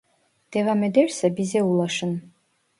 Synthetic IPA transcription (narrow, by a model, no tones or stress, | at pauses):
d̥evamedersabizeulaʂɨn